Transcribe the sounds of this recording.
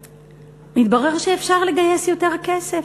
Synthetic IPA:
mitbaʁeʁʃeːfʃaʁle̞ɡaje̞sjo̞te̞ʁake̞se̞f

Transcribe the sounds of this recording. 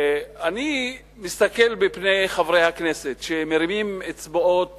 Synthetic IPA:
ani | mist̪akelbepnejχavɾejhakneset̪ʃemeɾimimet͡sboʔot̪

